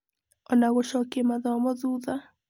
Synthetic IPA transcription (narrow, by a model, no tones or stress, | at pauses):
ɔnaɣɔʃɔkemaðɔmɔðuða